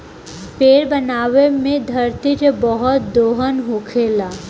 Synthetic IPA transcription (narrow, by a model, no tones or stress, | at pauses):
peɾbənaːwemẽd̪ʱəɾt̪iɾebɔɦɔt̪̚d̪oɦənɦokʰela